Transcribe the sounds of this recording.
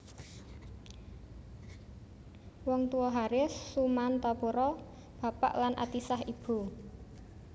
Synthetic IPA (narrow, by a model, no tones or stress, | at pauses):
wɔŋt̪uwɔɦaɾɪsːumant̪apuɾɔ | b̥ä̤pa̰ʔlanʔa̰t̪isahib̥ṳ